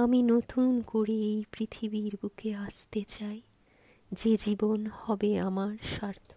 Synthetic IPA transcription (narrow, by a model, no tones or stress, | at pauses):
aminot̪unkoɾeejpɾit̪ʰibiɾbukʰeast̪et͡ɕaj | d͡ʑed͡ʑibonhɔbeamaɾʃaɾt̪ʰo